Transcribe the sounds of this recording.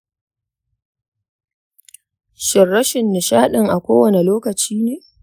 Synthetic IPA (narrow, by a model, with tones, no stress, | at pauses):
ʃɪ˨rːɐ˦ʃɪ˨nːɪ˨ʃaː˦ɗɪ˨ŋʔa˨kʷoː˦wɐ˨ne˨loː˦kɐ˨t͡ʃiː˦neː˨